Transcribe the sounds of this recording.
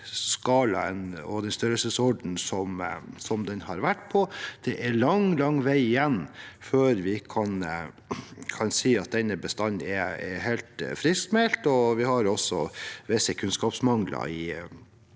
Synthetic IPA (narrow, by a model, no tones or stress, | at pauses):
skɑːlɑ̰ə̰nɔ̰d̪ɛnst̪œɾəlsəsɔɖn̩sɔmsɔmd̪ɛnhɑɾʋæʈːpʰɔd̪̥ɛʔæɾlɑŋlɑŋːʋæɪɪjɛnːføːɾʋɪkʰɑn | kʰɑnsiːɑt̪̚d̪ɛnːəbəst̪ɑnːɛɛɦeɪlt̪fɾɪst̪mɛlt̪ɔʋɪhɑɾɔsɔ̰ʋɛsəkʰʉnskɑːpsmɑŋlɑ̰ɪ